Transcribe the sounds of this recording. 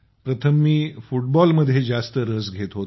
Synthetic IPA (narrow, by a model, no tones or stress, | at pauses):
pɾət̪ʰəmːiːfuʈ̚bɔlməd̪ʱːjed͡zast̪əɾəsɡʱet̪ɦot̪